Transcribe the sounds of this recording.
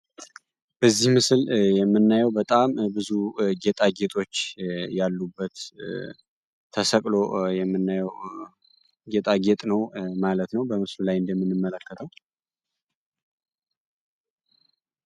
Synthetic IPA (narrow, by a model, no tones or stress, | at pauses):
b̥əzːihmɨsɨljɛmːɨnːajɛwbət̪ʼambɨzuɡe̞t̪ʼaɡe̞t̪ʼo̞t͡ʃːjalːubːət̪ | əsəkʼlo̞jɛmːɨnːajɛw | ɡet̪ʼaɡet̪ʼnəwmalət̪nəwbəmɨslulajɨnd̪əmːɨnːɨmːələkːət̪ʰəw